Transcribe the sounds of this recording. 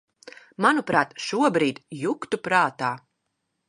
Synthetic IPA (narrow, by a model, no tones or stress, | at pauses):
manupɾaːt̪ʃuɔbɾiːd̪ʲjukt̪upɾaːt̪aː